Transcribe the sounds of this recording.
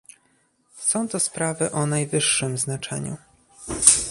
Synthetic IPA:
sɔ̃w̃t̪ɔspɾavɘʔɔnajvɘʂːɘmznat͡ʂɛ̰ɲṵ

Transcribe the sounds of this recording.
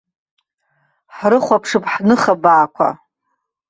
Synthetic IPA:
ħrɨχʷapʰʂɨpʰʼħnɨχabaːkʷʰa̰

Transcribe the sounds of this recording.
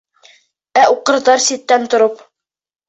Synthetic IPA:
æuqɤ̆ɾðɑɾsit̪ːænt̪ŏɾop

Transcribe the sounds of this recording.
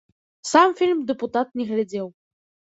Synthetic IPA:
samfʲilʲmd̪ɛput̪at̪̚nʲɛɣlʲad͡zʲɛw

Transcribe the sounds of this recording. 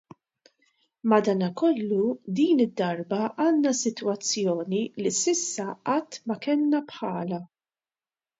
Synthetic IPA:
mɐd̪ɐːnɐkɔlːud̪iːnɪd̪ːɐɾbɐʔɐːnːɐsɪt̪wɐt͡sːjɔːnilisɪsːɐɐt̪ːmɐkɛlnɐpħɐːlɐ

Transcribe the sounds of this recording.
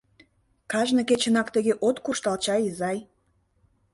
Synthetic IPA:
kɑʒnə̆ket͡ɕə̆nɑkt̪əɣeʔot̪kuʃt̪ɑlt͡ɕɑjizɑj

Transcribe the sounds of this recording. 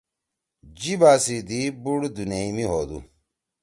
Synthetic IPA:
d͡ʑibaːsid̪ibuɽd̪uneimiɦod̪ṵ

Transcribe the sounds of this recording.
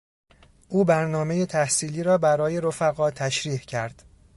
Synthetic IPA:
ʔuːbæɾnɒːme̞jet̪ʰæhsiːliːɾɒːbæɾɒːje̞ɾofæɣɒːt̪ʰæʃɾiːhcʰæɾd̪̥

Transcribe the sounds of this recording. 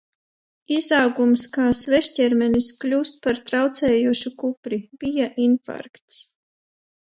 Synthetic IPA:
izawɡumskaːsvɛʃtʲɛɾmɛnisklʲuːst̪̚paɾt̪ɾawt̪sɛːjuːʃukupɾib̥ijaʔinfa̰ɾkt̪s

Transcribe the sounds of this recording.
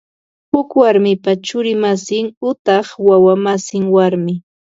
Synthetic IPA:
hʊkwaɾmɪpat͡ʃʊɾɪmasɪŋʊt̪ɑχwawamasɪŋwaɾmɪ

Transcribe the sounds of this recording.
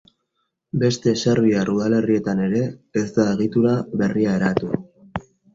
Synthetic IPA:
be̞st̪e̞se̞ɾβiarʔuðale̞rie̞t̪ane̞ɾe̞ːzd̪ae̞ɣ̞it̪uɾaβe̞riae̞ɾat̪ua

